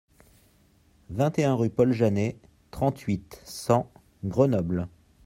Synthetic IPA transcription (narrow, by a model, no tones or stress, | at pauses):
vɛ̃t̪eɛ̃ʁypɔlʒane | t̪χɑ̃t̪ʰɥit̪sɑ̃ | ɡʁənɔbl